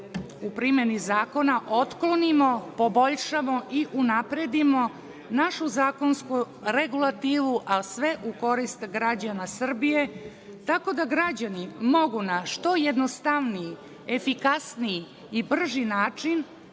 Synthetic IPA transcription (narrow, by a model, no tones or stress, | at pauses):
upɾimenizaːko̞naʔo̞t̪klonimopobo̞ʎʂamo̞ʔiʔunapɾed̪imo̞ | naʃuzaːko̞nsku | ɾe̞ɡulˠat̪iːʋuʔasʋe̞ʔuko̞ɾist̪ɡɾad͡ʑanasr̩bije̞ | t̪ako̞d̪aɡɾad͡ʑanimo̞ɡunaʂt̪o̞jed̪nost̪aʋniji | e̞fikasnijiː | br̩ʒinaːt͡ʂin